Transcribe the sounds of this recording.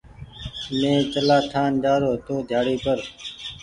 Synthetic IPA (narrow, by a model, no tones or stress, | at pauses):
mẽːt͡ʃəlaːt̪ʰaːnd͡ʒaːɾoːt̪oːd̪ʱjaːɽiːpəɾ